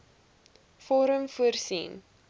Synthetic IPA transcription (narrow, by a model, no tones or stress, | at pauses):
fɔɾəmfuərsḭn